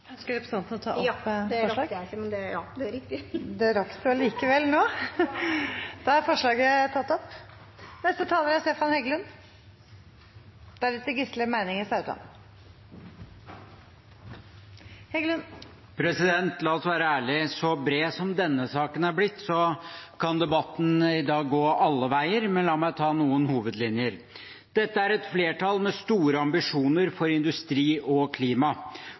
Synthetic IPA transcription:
hʉnskəɾɛpɾəsɑnt̪ənɔt̪ʰɑ̰ːʔɔpːfɔɾɭɑːɡmɛnd̪ɛjɑd̪ɛɾɪkt̪ɪd̪ɛɾɑkt̪ʊɑliːkəʋɛlnoː | d̪̥ɑɑɾfɔʂɭɑːɡət̪ʰɑt̪ːɔpː | nɛst̪ət̪ʰɑːləɾæst̪eːfɑnhɛɡəlʉn | d̪̥ɛæɭɪt̪ːəɡɪsləmæɪnɪŋəsɑʉt̪lɑ̰n | hɛɡələn | pʰɾɛsɪd̪ɛnt̪lɑːɔsʋæːɾəæːɭɪsɔbɾeːsɔmd̪ɛnːəsɑːkənæɾblɪt̪ːsɔkʰɑnd̪ɛbɑt̪ːn̩ɪd̪ɑːɡːoːʔɑlːəʋæɪəɾmɛnlɑːmæɪt̪ʰɑːnuːənhuːʋəd̪lɪnjəɾ | d̪̥ɛt̪ːəæɾɛt̪fleːʈɑlmɛst̪uːɾəɑmbɪʂuːnəɾfɔɾɪnd̪ʉst̪ɾiːʔɔkʰliːmɑ

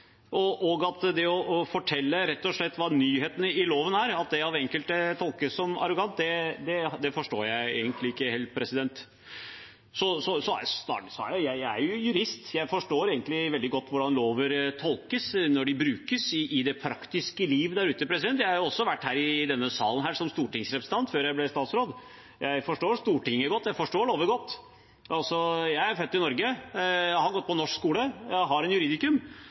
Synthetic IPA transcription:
ʔɔʔɔɡɑt̪d̪ɛɔɔfɔʈʰɛlːəɾɛt̪ːɔʂɭɛt̪ːʋɑːnyːheːt̪ənɪloːʋənæɾɑt̪̚d̪ɛɑʋɛŋkəlt̪ət̪ʰɔlˠkəsɔmɑ̰ɾʊɡɑnt̪d̪ɛd̪ɛd̪ɛfɔʂʈoːɾjæɪḛːɡənt̪lɪɪkːəheːlt̪̚pʰɾɛsɪd̪ɛnt̪ | sɔsɔsɔæt̪ɑ̰ːʈsɔɑjæɪæ̰ɾjʊjʉɾɪst̪jæɪfɔʂʈoːɾeːɡənt̪lɪʋɛld̪ɪɡɔt̪ːʋʊɖɑnloːʋəɾt̪ʰɔlkəsnɔɖɪbɾʉːkəsɪʔɪd̪ɛpʰɾɑkt̪ɪskəliːʋd̪æɾʉːt̪əpʰɾɛsɪd̪ɛnt̪jæɪhɑjʊɔsːɔʋæʈːhæːɾɪd̪ɛnːəsɑ̰ːlən̩ɦæːʂɔmst̪uːʈɪŋsɾɛpɾəsət̪ʰɑnt̪føːɾjæɪblɛst̪ɑːt̪sɾoːd̪ | jʔæɪfɔʂʈoːɾst̪uːʈɪŋːəɡɔt̪ːjæɪfɔʂʈoːɖoːʋəɾɡɔt̪ː | ʔɑlsɔjæɪæɾfœt̪ːɪnɔɾɡə | hɑɾɡɔt̪ːpɔnɔʂkskuːləjæɦɑɾɛnjʉɾiːd̪ɪkʉm

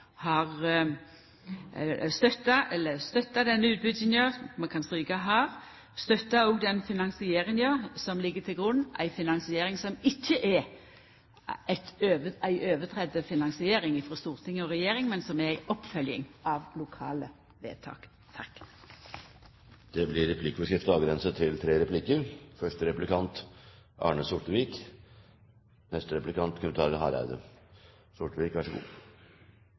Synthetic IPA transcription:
hɑʁ | st̪œt̪ːɑɛlːəst̪œt̪ːɑd̪ɛnːəʉːt̪̚bʏd̪sənjøːmɑkʰɑnspiːkɑɦɑʁ | st̪œt̪ːɑoːɡd̪ɛnfɪnɑnsɪeːʁɪnjøːsɔmlɪɡːət̪ʰɪlɡʁʊnːæ̰ɪfɪnɑnsɪeːɾɪŋsɔmɪçːəʔɛ | æt̪øːʋæɪʔøːʋət̪ʰɾɛd̪əfɪnɑŋsɪeːɾɪŋifɔst̪uːʁt̪ʰɪŋːəɔʁɛjeːɾɪŋmɛnsɔmææɪʔɔpːfœljəɪ̰ŋɑʋlʊkʰɑ̰ːlə | ʋḛːt̪ʰɑ̰ːk | t̪ʰɑk | d̪̥ɛblɪɾɛpʰlɪkːəbəskɾɪft̪əɑːɡɾɛnsət̪ʰɪlt̪ʰɾeːɾɛpʰlɪkːəɾfœʂʈəɾɛplɪkʰɑnt̪ʔɑ̰ːɳəsʊʈːəʋiːk | nɛst̪əɾɛplɪkʰɑnt̪kʰʉmət̪ʰɑːɾəhɑ̰ɾæ̰ɪd̪ə̰ | sʊʈːəʋiːkʋæʂəɡṵː

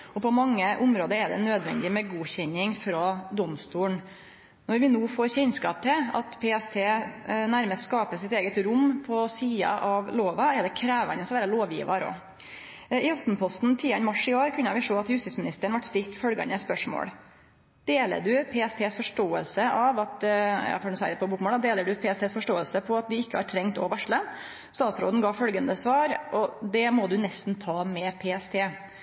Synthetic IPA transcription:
ɔpʰɔmɑŋːəʔʊmɾoːd̪əɛɖ̪ɛ̰nøːd̪ʋɛ̰nd̪ɪmɛɡuːçɛɲɪŋfɾɑːd̪ɔmst̪uːɳ | nɔɾʋɪnuːfoːɾçɛɲskɑ̰ːp̚t̪ʰɛɑt̪pʰeːɛst̪ʰeːnæɾməskɑːpəsɪt̪eːɡət̪ɾʊmpʰɔsiːɑ̰ʔɑʋloːʋɑɛd̪ɛkʰɾæːʋɑnəsɔʋæːɾəloːʋjḭːʋɑɾɔ̰ | ɪɑft̪n̩pʰɔst̪n̩t̪ʰiːɑnmɑʂɪoːɾkʰʉnːəʋɪʂoːɑt̪hʉst̪ɪsmɪnɪst̪əɾəɳʋɑʈːst̪ɪlt̪fœlɡɑ̰nəspœʂmo̰ːɽ | d̪̥eːlə̰ɖʉpʰeːɛst̪ʰeːsfɔʂʈoːəlsəʔɑʋɑt̪jɑ̰ːfɔɖn̩sæɪəd̪ɛpɔbuːkmoːld̪ɑd̪eːləɖʉpʰeːɛst̪ʰeːsfɔʂʈoːəlsəpʰɔɑt̪̚d̪ɪɪkːəhɑɾʈ̪ʰɾɛŋt̪o̰ːʋæʂɭə | st̪ɑːt̪sɾo̰ːd̪n̩ɡɑːfœlɡənd̪əsʋɑːɾʔɔd̪ɛmɔd̪ʉnɛst̪n̩t̪ʰɑːmɛpʰeːɛst̪ʰeː

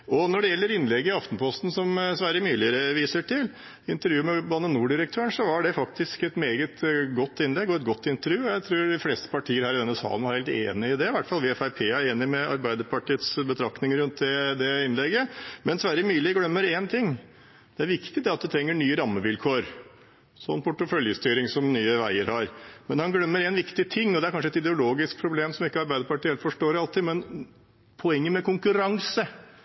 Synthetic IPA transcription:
ɔnɔɖɛjɛlːəɾɪnlɛɡːəɪɑft̪npʰɔst̪n̩sɔmsʋæɾəmyːlɪəɾəʋiːsəʈʰɪl | ɪnt̪əɾjʉːmɛbɑnːənuːɖɪɾək̚t̪ʰøːəɳsɔʋɑɖɛfɑkt̪ɪskɛt̪meːɡət̪ɡɔt̪ːɪnlɛɡːɔɛt̪̚ɡɔt̪ːɪnt̪əɾjʉːɔjæɪt̪ʰɾʉːɖɪfleːst̪ə̥pʰɑʈʰiːəɾhæːɾɪɛnɛsɑ̰ːnɾhæɪlt̪ḛːnɪɪd̪ɛɪʋæʈːfɑlʋɪɛfæɪpʰeːæɾeːnɪmɛɑ̰ɾbæɪd̪əɾpʰɑʈʰiːət̪sbət̪ʰɾɑknɪŋɾʉnt̪̚d̪ɛd̪ɛɪnlɛɡːəmɛnd̪ɛsʋæɾəmyːlɪɡlœmːəɾent̪ʰɪŋː | d̪̥ɛæɾʋɪkt̪ɪd̪ɛɑt̪̚d̪ʉt̪ʰɾɛŋːəɳyːəɾɑmːəʋɪlkʰoːɾ | sɔ̰nːpʰʊʈəfœljəst̪yːɾɪŋsɔmnyːəʋæɪəɾhɑɾmɛnhɑnɡlœmːəɾenʋɪkt̪ɪt̪ʰɪŋːɔd̪ɛæɾkʰɑnʂəɛt̪ɪd̪ɛʊloːɡɪsk̚pʰɾʊbleːmsɔmɪkːəɑɾbæɪd̪əɾpɑʈiːɛlt̪fɔʂʈoːɾɑlt̪ʰiːd̪mɛn | pʰɔɛŋːəmɛkʊŋkʉɾɑŋsə

